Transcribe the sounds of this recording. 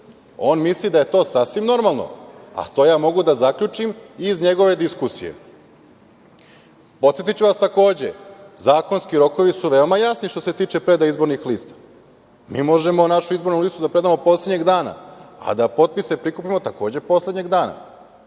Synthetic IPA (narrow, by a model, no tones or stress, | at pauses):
o̞ːnmislid̪aje̞t̪o̞ːsasʋimno̞ɾmalˠno̰a̰t̪ojaːmo̞ɡud̪azakʎut͡ʃimizɲe̞ɡo̞ʋe̞d̪iskusḭje̞̰ | pot̪sje̞t̪it͡ɕuʋast̪ako̞ːd͡ʑe̞zaːko̞nskiɾo̞ko̞ʋisuʋe̞omajasniʃt̪o̞se̞t̪iːt͡ʃe̞pɾe̞d̪aizbo̞ɾnixliːst̪ḁ | miːmo̞ʒe̞monaʃuizbo̞ɾnulist̪ud̪apɾe̞d̪amo̞po̞slʲed̪ɲeɡd̪aːna̰a̰d̪apo̞t̪̚pise̞pɾikupimo̞t̪ako̞ːd͡ʑe̞po̞sle̞d̪ɲeɡd̪aːna̰